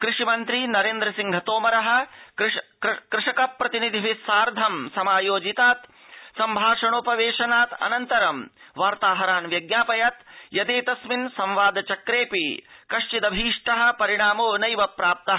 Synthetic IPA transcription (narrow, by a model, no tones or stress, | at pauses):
kɾɪʂimɐnt̪ɾinɐɾeːnd̪ɾɐsiŋɡʱɐt̪oːmɐɾɐɦɐ̆ | kɾɪʂɐkɐpːɾɐt̪inid̪ʱiʋisaːɾd̪ʱɐmsɐmaːjoːd͡ʒit̪aːt̪ | sɐmbʱaːʂɐɳoːpɐʋeːʂɐnaːt̪ɐ̰nɐnt̪ɐɾɐmʋaːɾt̪aːɦɐɾaːnʋjɐɡnaːpɐjɐt̪jɐd̪eːt̪ɐsminsɐ̃mʋaːd̪ɐt͡ʃɐkɾeːpikɐʂt͡ʃid̪ɐbʱiːʂʈɐɦɐ̆pɐɾiɽ̃aːmoːnɐjʋɐpɾaːp̚t̪ɐɦɐ